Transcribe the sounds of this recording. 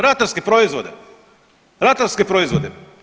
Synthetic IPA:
ɾat̪aɾskepɾoizʋod̪e | ɾat̪aɾskepɾoizʋod̪e

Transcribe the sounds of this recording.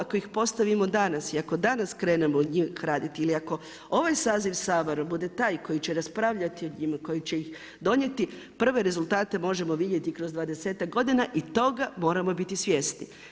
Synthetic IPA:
ako̞ixpo̞st̪aʋimo̞d̪anasiako̞d̪anaskɾe̞ːne̞moɲixɾaːd̪it̪iiliako̞ | o̞ʋajsaːziʋsaːʋeɾobud̪e̞t̪aːjko̞jit͡ɕeɾaspɾaʋʎat̪ioɲimako̞jit͡ɕe̞jix | d̪o̞ɲe̞t̪i | pr̩ʋe̞ɾe̞zult̪aːt̪e̞mo̞ʒe̞mo̞ʋid̪je̞t̪ikɾo̞zd̪ʋaːd̪e̞se̞ːt̪ak̚ɡo̞d̪inaʔit̪o̞ɡamo̞ːɾamo̞bit̪isʋje̞sni

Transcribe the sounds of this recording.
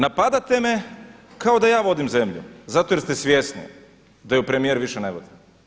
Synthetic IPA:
napad̪at̪e̞mekao̞d̪ajaːʋo̞d̪imze̞mʎṵzat̪ojeɾst̪esʋje̞snḭ | d̪ajupɾemijeɾʋiʃeneʋod̪i̥

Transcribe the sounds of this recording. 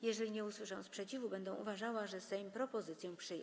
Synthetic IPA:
jɛʐɛlʲiɲɛuswɘʂãspʂɛt͡ɕivubɛnd̪ɛ̃w̃ʔṵvaʐawaʐɛst̪ɛimpɾɔpɔzɘt̪sʲjɔ̃w̃pʂɘjɛ̰̃

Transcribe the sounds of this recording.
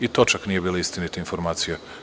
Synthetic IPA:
it̪ot͡ʃaknijebiːloist̪init̪iinfo̞ɾmaːt̪sije

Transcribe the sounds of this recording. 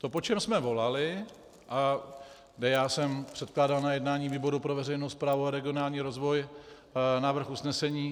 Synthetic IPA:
t̪o̞po̞t͡ʃɛmsmɛvo̞lalɪ | ʔa | ɡdɛjaːsɛmpr̝̥ɛt̪̚klaːdalnajɛdnaːɲiːviːbo̞ɾupɾo̞vɛrɛjnowspɾaːvuaɾɛɡɪo̞naːlɲiːɾo̞zvo̞j | navr̩xusnɛsɛɲiː

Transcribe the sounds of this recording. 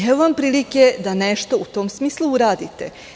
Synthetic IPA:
eʋuʋampɾiːliked̪aneʃt̪o̞ut̪o̞ːmsmiːslˠuuɾaːd̪it̪e̞̰

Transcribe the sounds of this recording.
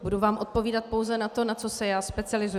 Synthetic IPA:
buduvaːmʔo̞t̪̚po̞viːdat̪̚po̞wzɛnat̪o̞nat͡sosɛjaːspɛt͡sɪalɪzu

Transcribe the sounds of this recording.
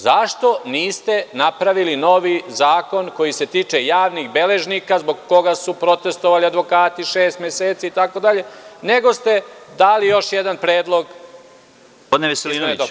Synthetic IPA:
zaʃt̪o̞niːst̪e̞napɾaʋilino̞ʋizaːko̞nko̞jise̞t̪iːt͡ʂe̞jaːʋniɣbe̞le̞ʒnikazbo̞ɡkːo̞ɡasupɾo̞t̪e̞st̪o̞ʋaliad̪ʋo̞kaːt̪iʃeːst̪mʲjeseːt̪siːt̪akod̪aʎe̞ne̞ɡo̞st̪e̞d̪aːlijo̞ʃjed̪anpɾeːd̪lˠo̞ɡ | pod̪neʋeselinod̪o

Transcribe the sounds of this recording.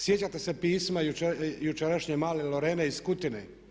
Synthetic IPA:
sjet͡ɕat̪esepiːsmajuejut͡ʃeɾaʃɲemaːleloɾeːneiskut̪ine

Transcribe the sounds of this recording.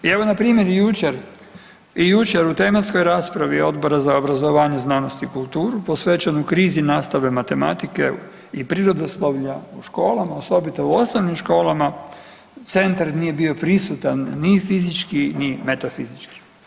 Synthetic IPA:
ieʋo̞napɾiːmjeɾjut͡ʃeɾ | ijut͡ʃe̞ɾut̪e̞masko̞jɾaːspɾaʋio̞d̪bo̞ɾazaobɾazo̞ʋaːɲeznano̞st̪iːkult̪uːɾupo̞sʋeːt͡ʃanukɾiːzinaːst̪aʋe̞mat̪e̞ma̰t̪ike̞̰ | ipɾiːɾo̞d̪oslˠoʋʎauʃko̞ːlamaoso̞bit̪ouo̞snoʋnimʃko̞ːlama | t̪se̞nt̪aɾnije̞bio̞pɾisut̪anːifizit͡ʃkinime̞t̪afizit͡ʃki̥

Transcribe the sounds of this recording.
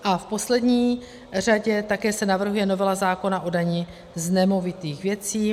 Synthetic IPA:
ʔafpo̞slɛdɲiː | r̝aɟɛt̪akɛːsɛnavr̩ɦujɛno̞vɛlazaːko̞naʔo̞daɲɪ | znɛmovɪt̪iːxvjɛt͡siː

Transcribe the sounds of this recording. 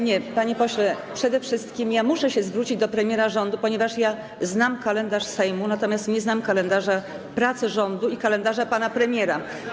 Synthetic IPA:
ɲɛpaɲepɔɕlɛpʂɛd̪ɛfʂɘst̪kʲimjamuʂɛɕɛzvɾut͡ɕid͡ʑd̪ɔpɾɛmʲjɛɾaʐɔnd̪upɔɲɛvaʂja | znamkalɛnd̪aʂsɛjmunat̪ɔmʲjast̪ɲɛznamkalɛnd̪aʐa | pɾat̪sɘʐɔnd̪uikalɛnd̪aʐapanapɾɛmʲjɛɾa

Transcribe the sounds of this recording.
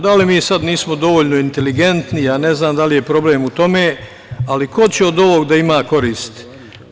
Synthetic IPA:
d̪alimiːsad̪niːsmo̞d̪o̞ʋoːʎno̞int̪e̞liɡe̞nt̪nijane̞znaːmd̪alije̞pɾo̞ble̞ːmut̪o̞meː | aliko̞t͡ɕeo̞d̪o̞ʋo̞ːɡd̪aimaːko̞ɾiːst̪

